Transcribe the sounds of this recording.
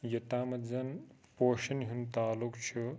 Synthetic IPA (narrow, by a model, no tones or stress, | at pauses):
jɐt̪aːmɐzɐnpoːʃɐnɦunt̪aːlukt͡ʃʰu